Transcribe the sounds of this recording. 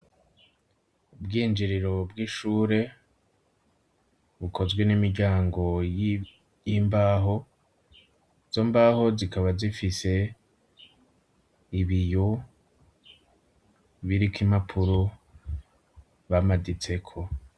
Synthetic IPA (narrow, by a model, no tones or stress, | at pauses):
ubɡiːnd͡ʒiɾiɾo̞bɡiːʃuːɾe̞ | βukʰo̞zɡwe̞nimiɾɟaːŋɡo̞j | jimbaːɦo̞ | z̥o̞mbaːho̞zikaβazifise̞ | iβijo | βiɾikimapʰuɾo | βamadit͡se̞kʰo̞